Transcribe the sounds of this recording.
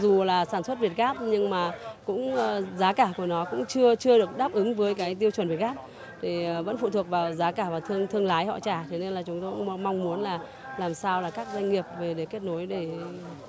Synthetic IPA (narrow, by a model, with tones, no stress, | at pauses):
zu˨˩laː˨˩saː˧˩nswə˦˥t̚vi˨˩ət̚ɣaː˦˥p̚ɲɨ˧ŋmaː˨˩kʊ̰˧˥ŋ͡mːzaː˨˦kaː˧˩ku˧˩ənɔ˨˦kʊ̰˧˥ŋ͡mt͡ɕɨ˧ət͡ɕɨ˧əɗɨ˨˩ək̚ɗaː˦˥p̚ʔɨ˨˦ŋvəː˨˦jkaː˨˦jt̪̬i˧əwt͡ɕwə˨˩nvt̚ɣaː˦˥p̚ | t̪ʰi˨˩˨və̰˧˥nfṵ˧˨t̪ʰu˨˩ət̚vaː˨˩wzaː˨˦kaː˧˩vaː˨˩t̪ʰɨ˧əŋt̪ʰɨ˧əŋlaː˨˦jhɔ̰˧˨t͡ɕaː˧˩t̪ʰe˨˦ne˧nlaː˨˩t͡ɕʊ˨˦ŋ͡mt̪o˧jkʊ̰˧˥˧ŋ͡mma˧wŋ͡mmu˨˦nlaː˨˩ | laː˨˩msaː˧wlaː˨˩kaː˦˥k̚zwa˧ŋ̟ŋi˨˩əp̚ve˨˩ɗe˧˩ke˦˥t̚no˨˦jɗe˧˩